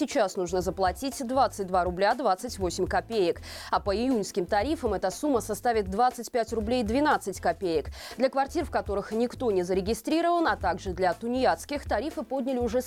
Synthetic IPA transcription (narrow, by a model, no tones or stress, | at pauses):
sʲɪt͡ɕasnuʐnəzəplˠɐtʲitʲd̪vat̪sɨt̚ʲd̪vaɾʊblʲad̪vat̪sɨtʲvosʲɪmʲkɐpʲejɪkapəɪjunʲskʲɪmt̪ɐɾʲifəmɛt̪əsumːəsɐst̪avʲɪt̪̚dvat̪sɨtʲpʲætʲrʊblʲejd̪vʲɪnat̪sɨtʲkɐpʲejɪkd̪lʲəkvɐrtʲirfkɐt̪o̞ɾɨxnʲɪkt̪o̞nʲɪzəɾʲɪɡʲɪst̪ɾʲiɾəvənɐt̪aɡʐɨd̪lʲɐt̪ʊnʲɪjat̪skʲɪxt̪ɐɾʲifɨpod̪ʲnʲɪlʲɪʊʐɛ